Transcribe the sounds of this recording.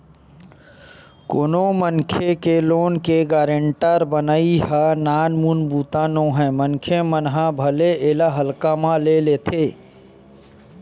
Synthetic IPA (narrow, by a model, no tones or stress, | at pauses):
koːnomənkʰekeloːnkeɡaːɾə̃ɳʈəɾbənaːiɦanaːnmunbuːt̪aːnõːɦɛ̃mənkʰemənɦãbʱəleʔeːlaɦəlkamãleleːt̪ʰeː